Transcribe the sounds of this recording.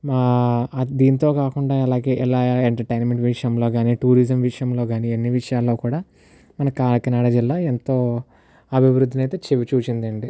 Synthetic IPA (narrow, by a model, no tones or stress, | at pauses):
maːd̪iːnt̪o̞ːkaːkuɳɖaːɐlaːɡe̞ːʔilaːeɳʈɐɾʈɐjnmeɳʈʋiʂjɐmlo̞ːɡaːniːʈuːɾizɐmʋiʂɐjɐmlo̞ːɡaːnienːiʋiʂɐjaːlːo̞ːkuːɽaː | mɐnɐkaːlkɐnaːɽɐd͡ʒilːaːent̪o̞ː | ɐbʱiʋɾud̪ʱːinɐjt̪e̞ːt͡ʃeʋit͡ʃuːt͡ʃind̪ɐɳɖi